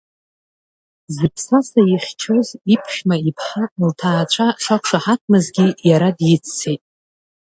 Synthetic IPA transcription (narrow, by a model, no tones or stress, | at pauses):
zɨpʰsasaiχʲt͡ʃʰozipʰʃmaipʰħaltʰaːt͡ʃʷʰaʂakʷʂaħak̚ʷʰmɨzɡʲijaɾadjɪt͡sʰːejtʼ